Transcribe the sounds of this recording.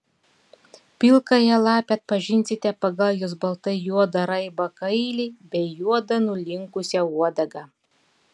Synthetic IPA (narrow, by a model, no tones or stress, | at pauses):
pʲɪlˠkɐjɛlˠɑːpʲɛt̪̚pɐʒʲɪnʲsʲɪt̪ʲɛpɐɡɐlʲˠjosbɐlˠt̪ɐɪjuɔd̪ɐɾɐɪbɐkɐɪlʲɛɪbʲɛɪjuɔd̪ɐnʊlʲɪŋkʊsʲɛuɔd̪ɐɡɑ